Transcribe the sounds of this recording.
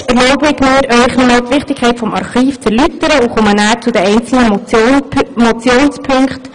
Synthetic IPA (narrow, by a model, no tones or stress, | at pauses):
ɛɾlɔʊbəɪkmiːəɾœʏχnomɑlt̪ʋɪχtɪkʰːɛɪtfɔmɑ̰ɾχiːft͡sɛɾlyt̪əɾəuχomənæːɾt͡sʊd̪ɛɛɪnt͡sl̩nə | mot͡sjoːnspʰɵŋkχt